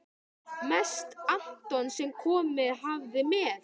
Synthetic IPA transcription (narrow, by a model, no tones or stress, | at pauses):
mɛst̪an̥t̪ɔnsɛmkʰɔːmɪðɦavðɪmɛð